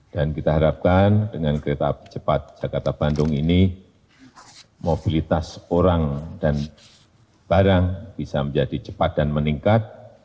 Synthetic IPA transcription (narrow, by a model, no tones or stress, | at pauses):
d̥ankit̪aɦaɾap̚kandəŋankəɾet̪api̥t͡ʃəpat̪̚d͡ʒ̥akart̪ab̥andʊŋini | mob̥ilit̪asoɾaŋdan | b̥aɾaŋb̥isaməɲd͡ʒadit͡ʃə̥pat̪̚d̥anməniŋkat̪̚